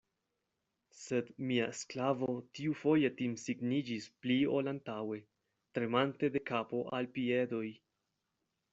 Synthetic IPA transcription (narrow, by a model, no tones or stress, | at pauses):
se̞dmiaesklavotiufo̞je̞timsiɡnid͡ʒisplio̞lantawe̞ | tɾe̞mante̞de̞kapo̞ʔalpie̞do̞j